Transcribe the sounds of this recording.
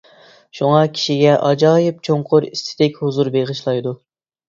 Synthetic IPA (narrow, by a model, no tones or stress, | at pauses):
ʃuŋɑkʲʰi̥ʃiɡʲɛʔɑd͡ʒɑːjɪp̚t͡ʃʰoŋqʰʊɾist̪ʰɪd̪ɛkʲhuzuɾbeʁɨʃlˠɑjd̪u